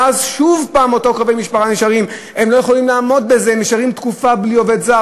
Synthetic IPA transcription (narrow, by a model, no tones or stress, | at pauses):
ʔazʃuvpaːmo̞to̞kʁavejmiʃpaχaniʃaʁim | e̞mlo̞je̞χo̞limlaːmo̞d̪̚be̞zemiʃaʁimt̪kufablio̞ve̞dza